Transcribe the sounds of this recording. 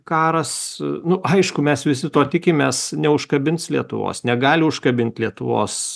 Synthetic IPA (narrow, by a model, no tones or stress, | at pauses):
kɑːɾɐsnʊʔɐɪʃkʊmʲɛsʋʲɪs̬ʲɪt̪oːt̪ʲɪkʲɪmʲeːsnʲɛʊʃkɐbʲɪntslʲiɛt̪ʊ̰ʋo̰ːsnʲɛɡɑːlʲɪʊʃkɐbʲɪnʲt̪ʲlʲiɛt̪ʊʋo̰ːs